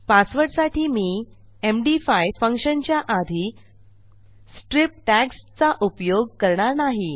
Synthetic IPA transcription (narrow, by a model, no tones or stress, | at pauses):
pasʋəɾʈsaʈʰiːmiː | emɖifajfəŋkʂənt͡ɕjaʔad̪ʱi | sʈɾip̚ʈækst͡saʔupjoɡ̚kəɾɳaɾnaɦi